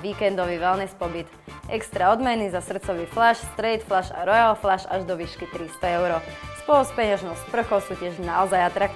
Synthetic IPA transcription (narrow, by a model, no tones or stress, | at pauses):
ʋiːkɛnd̪ɔʋiʋɛlnɛspɔbit̪ | ʔɛkst̪ɾaɔd̪mɛnizasr̩t̪t͡sɔʋiːflaʃst̪ɾɛjt̪flaʃa̰ɾɔjalflaʃaʒd̪ɔʋiːʃkit̪ɾist̪ɔɛʊɾɔspʊɔuspɛɲaʒnɔʊspr̩xɔʊsuːcɪɛʒnaɔzajat̪ɾak̚